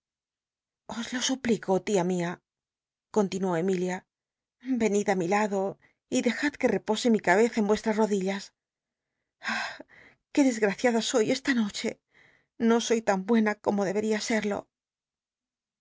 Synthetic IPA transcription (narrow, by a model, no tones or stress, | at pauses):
o̞zlo̞supliko̞t̪iamia | ko̞nt̪inwo̞e̞milja | be̞niðamilaðo̞ | iðe̞xaðke̞re̞po̞se̞mikaβe̞θaembwe̞st̪ɾasro̞ðiʎas | a | ke̞ðe̞zɣɾaθjaðaso̞je̞st̪ano̞t͡ʃe̞̰ | no̞so̞jt̪ambwe̞nako̞mo̞ðeβe̞ɾiase̞ɾlo̞̰